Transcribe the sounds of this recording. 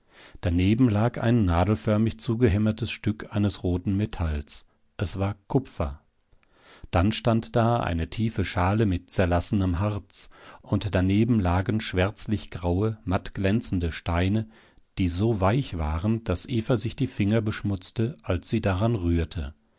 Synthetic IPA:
d̥aneːbm̩laːka̰ɪnːaːdl̩fœɐmɪçt͡suːɡəɦɛmɐtʰəsʃtʏkʰʔaɪnəsʁoːtn̩metʰals | ʔɛsv̥aːɐkʰʊpp͡fɐ̰ | d̥anʃtantd̥aːʔa̰ɪnətʰiːfəʃaːləmɪt̚t͡sɛɐlasənəmɦaɐt͡sʔʊntd̥aneːbm̩laːɡn̩ʃv̥ɛɐt͡slɪçɡ̥ʁaʊəmatɡ̥lɛnt͡sn̩dəʃtaɪnə | d̥iːzoːvaɪçv̥aːʁənd̥asʔeːfɐzɪçd̥iːfɪŋɐbəʃmʊt͡stəʔalsz̥iːdaʁanʁyːɐtʰə̰

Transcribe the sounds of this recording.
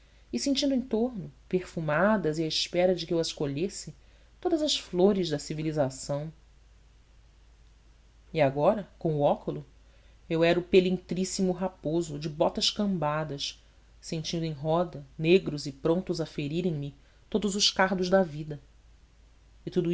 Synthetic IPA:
ɪsẽnt͡ʃĩd̪ʊẽj̃t̪oɦnʊpeχfumad̪ɐziaɪʃpɛɾɐd͡ʒɪkɪewɐʃkoʎesɪ | t̪od̪ɐzɐsfloɾɪzd̪ɐsivilizasɐ̃w̃ | iaɡɔɾɐkõw̃ʊɔkʊlʊ | ewɛɾʊpelĩŋt̪ɾisimʊɦapozʊd͡ʒɪbɔt̪ɐʃkɐ̃mbad̪ɐʃ | sẽnt͡ʃĩnd̪ʊẽj̃ɦɔd̪ɐneɡɾʊzɪpɾõnt̪ʊzɐfeɾiɾẽj̃mɪ | t̪od̪ʊzʊʃkaɦd̪ʊʒd̪ɐvid̪ɐ | it̪ud̪u

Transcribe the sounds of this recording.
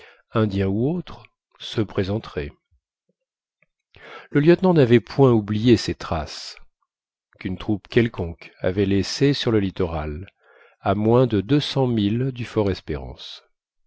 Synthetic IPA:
ɛ̃d̪jɛ̃uot̪χ | səpχezɑ̃t̪χɛ | ləljœt̪nɑ̃navɛpwɛ̃ublijesɛt̪χas | kynt̪χupkʲɛlkɔ̃ka̰vɛlesesyʁləlit̪ɔʁal | amwɛ̃d̪əd̪øsɑ̃mild̪yfɔʁɛspeʁɑ̰̃s

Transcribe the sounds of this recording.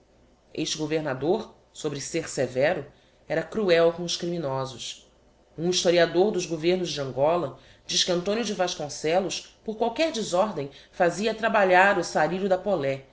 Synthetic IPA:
eʃt͡ʃɪɡoveɾnad̪oɾ | sobɾɪseɾsevɛɾʊ | ɛɾɐkɾuɛwkõʊʃkɾiminɔzʊs | ũiʃt̪oɾiad̪oɾd̪ʊzɡoveɾnʊzd͡ʒɪɐ̃ŋɡɔlɐ | d͡ʒiʃkɪɐ̃nt̪õnjʊd͡ʒɪvaʃkõsɛlʊspoɾkwawkɛɾd͡ʒɪzɔɾd̪ẽj̃faziɐt̪ɾabaʎaɾʊsaɾiɾʊd̪ɐpolɛ

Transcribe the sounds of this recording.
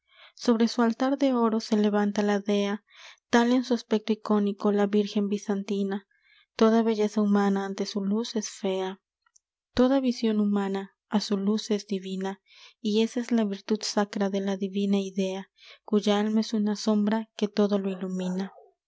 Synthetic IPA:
so̞β̞ɾesualt̪aɾðe̞o̞ɾose̞leβant̪alaðea | t̪alensuaspek̚t̪oiko̞nikolaβiɾxe̞mbisant̪ina | t̪o̞ðaβe̞ʝe̞saumanaːnt̪e̞sulusesfea | t̪o̞ðaβisjo̞numãnaː | suluse̞zd̪iβina | ie̞saezlaβiɾt̪ud̪sakɾaðe̞laðiβinaiðe̞akuʝaalmaesunaso̞mbɾake̞t̪o̞ðo̞loilumĩna

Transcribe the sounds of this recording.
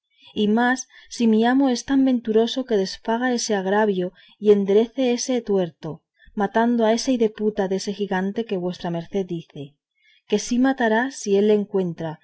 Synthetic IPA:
imasːimiamo̞e̞st̪ambe̞nt̪uɾo̞so̞ke̞ðe̞sfaɣ̞ae̞se̞aɣ̞ɾaβjo̞ | ie̞nd̪e̞ɾe̞θe̞e̞se̞t̪we̞ɾt̪o̞ | mat̪and̪oae̞saiðe̞put̪aðe̞se̞xiɣant̪e̞ke̞βwe̞st̪ɾame̞ɾθe̞ðːiθe̞ | ke̞simat̪aɾasie̞lːeŋkwe̞nt̪ɾa

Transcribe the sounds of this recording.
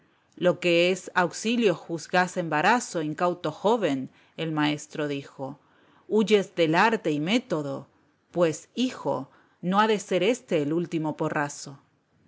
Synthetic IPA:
lo̞keesawksiljo̞xuzɣasembaɾaso̞iŋkawt̪o̞xo̞βe̞n | elmae̞st̪ɾo̞ðixo̞ | uʝe̞zðe̞laɾt̪e̞ime̞t̪o̞ðo̞̰ | pwe̞sixo̞̰ | no̞aðe̞se̞ɾe̞st̪e̞ːlult̪imo̞po̞raso̞

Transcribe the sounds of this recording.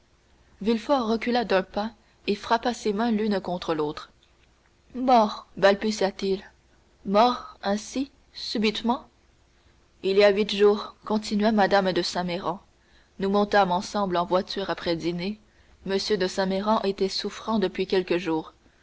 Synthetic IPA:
vilfɔʁːəkʲylad̪œ̃pa | efχapasemɛ̃lynkɔ̃t̪χəlot̪χ | mɔʁbalbysjat̪il | mɔʁɛ̃si | sybit̪mɑ̃ | iliawit̪ʒuːʁkɔ̃t̪inɥamad̪amd̪əsɛ̃meʁɑ̃ | numɔ̃t̪amɑ̃sɑ̃blɑ̃vwat̪yːʁapχɛd̪ine | məsjød̪əsɛ̃meʁɑ̃ʔet̪ɛsufχɑ̃d̪əpɥikʲɛlkəʒuːʁ

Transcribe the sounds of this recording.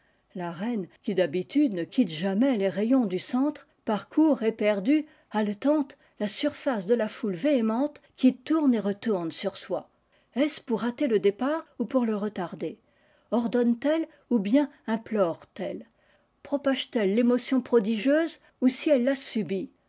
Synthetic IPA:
laʁɛnkʲid̪abit̪yd̪nəkʲit̪ʒamɛleʁejɔ̃d̪ysɑ̃t̪χ | paʁkʰuʁepɛʁd̪y | alt̪ɑ̃t̪ | lasyʁfasd̪əlafulveemɑ̃t̪χkʲit̪uʁneʁət̪uʁnsyʁswa | ɛspuʁat̪eləd̪epaʁupuʁləʁət̪aʁd̪e | ɔʁd̪ɔnt̪ɛl | ubjɛ̃ɛ̃plɔʁt̪ɛl | pχɔpaʒt̪ɛlːemɔsjɔ̃pχɔd̪iʒjøz | usiɛlːasybi

